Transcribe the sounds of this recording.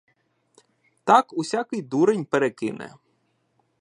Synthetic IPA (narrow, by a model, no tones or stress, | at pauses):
t̪ɑkusʲakɪjd̪uɾenʲpeɾekɪ̰nɛ̰